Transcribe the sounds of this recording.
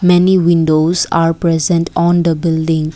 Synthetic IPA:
mɛniʋɪ̃nɖoːzaːɾpɾɛzə̃ɳʈʰɔ̃ːnd̪əbɪlɖɪ̃ŋ

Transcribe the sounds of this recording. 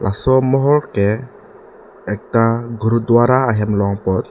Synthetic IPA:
lʔa̰sɔmɔɦɔlkɛ | ɛk̚t̪aɡuɾud̪uaɾaːɦɛmlɔŋpɔt̪̚

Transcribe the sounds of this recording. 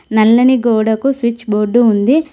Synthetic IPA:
nɐlːɐniɡoːɽɐkusʋit͡ʃːboːɖːuund̪i

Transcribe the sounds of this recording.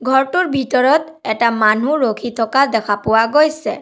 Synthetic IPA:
ɡʱɔɹtuɹbʱitɔɹɔt̪ | ɛtamanuɹokʰit̪ʰɔkad̪ɛkʰapʊwaɡojsɛ̰

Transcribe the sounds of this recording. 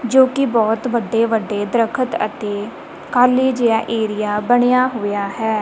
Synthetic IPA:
d͡ʒoːkɪbɔːt̪ʋəɖeːʋəɖːeːd̪əɾəkʰət̪ə̰t̪eː | kaːleːd͡ʒɪjaːʔeːɾɪjaːbəɽ̃ejaːɦoːjaːɦɛː

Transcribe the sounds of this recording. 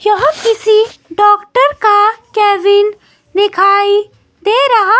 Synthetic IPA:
jɐɦkɪsiɖɔːkʈəɾkakɛːbɪn | d̪ɪkʰaːi | d̪eːɾɐɦa

